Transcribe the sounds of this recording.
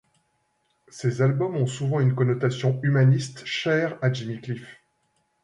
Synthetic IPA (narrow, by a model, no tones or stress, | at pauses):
sezalbɔmɔ̃suvɑ̃ynkɔnɔt̪asjɔ̃ymanist̪ʃɛːʁad͡ʒimiklif